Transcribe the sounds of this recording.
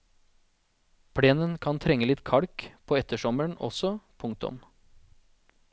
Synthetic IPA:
pʰɽeːnənkʰɑnt̪ʰɾɛŋːəlɪt̪kʰɑɽkpʰoːɛt̪əʃɔməɳɔ̰sɔpʰʊŋk̚t̪ʊ̰m

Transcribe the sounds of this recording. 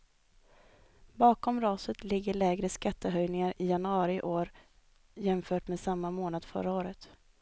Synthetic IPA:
bɑːkɔmɾɑːsət̪lɪɡːəɭɛːɡɾəskat̪ʰːəɦœjnɪŋaɾɪjanʊɑːɾɪʔoːɾ | jɛmfœːʈmeːsamːamoːnad̪̥fœ̰ɾaoːɾət̪

